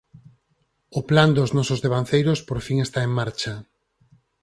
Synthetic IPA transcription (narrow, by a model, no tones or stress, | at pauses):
ʊpland̪oznɔsozðeβ̞anθejɾʊspoɾfiŋest̪aeŋmaɾt͡ʃa